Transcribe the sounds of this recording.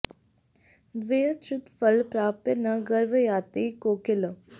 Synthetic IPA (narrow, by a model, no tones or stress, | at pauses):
d̪ʋeːət͡ʃut̪fəlpɾaːpenɐɡəɾʋəjaːt̪ikoːkɪlə